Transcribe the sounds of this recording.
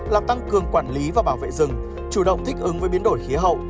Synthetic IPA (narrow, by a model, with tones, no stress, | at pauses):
laː˨˩mt̪a˧ŋkɨ˨˩əŋkwaː˧˩nli˨˦vaː˨˩ɓaː˧˩wvḛ˧˨zɨ˨˩ŋ | t͡ɕu˧˩ɗə̰˧˨wŋ͡mt̪ʰi˦˥k̟̚ʔɨ˨˦ŋvəː˨˦jɓi˨˦ənɗo˧˩jxi˨˦əɦə̰˧˨wʔ